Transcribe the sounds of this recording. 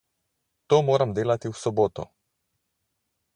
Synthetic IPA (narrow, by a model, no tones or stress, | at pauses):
t̪ɔmɔɾamd̪elˠat̪iusɔbɔt̪ɔ̰